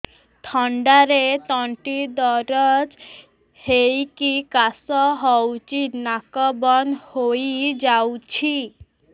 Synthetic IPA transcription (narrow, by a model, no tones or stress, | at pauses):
t̪ʰɔɳɖaɾet̪ɔɳʈid̪ɔɾɔd͡ʒ | hejkikasɔɦɔwt͡ʃinakɔbɔnhojd͡ʒawt͡ʃʰi